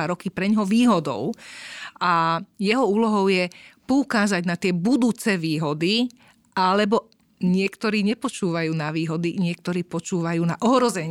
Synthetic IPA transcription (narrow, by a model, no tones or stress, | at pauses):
aɾɔkipɾɛɲɦɔʋiːɦɔd̪ɔ̰ʊ | ajɛɦɔuːlɔɦɔʊjɛpɔukaːzaɟnat̪ɪɛbud̪uːt͡sɛʋiːɦɔd̪i | ʔalɛbɔ | ɲɪɛkt̪ɔɾiːɲɛpɔt͡ʃuːʋajuːnaʋiːɦɔd̪iɲɪɛk̚t̪ɔɾiːpɔt͡ʃuːʋajuːnaʔɔɦɾɔzɛɲ